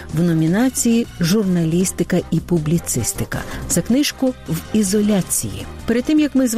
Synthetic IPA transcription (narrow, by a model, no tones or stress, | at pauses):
wnɔmʲinɑt͡sʲijiʒʊrnɐlʲist̪ɪkɐipʊblʲit̪sɪst̪ɪkɐ̰t̪sɛknɪʃkʊwizɔlʲat͡sʲḭjḭ | pɛɾed̪t̪ːɪmjɐkmɪzʋ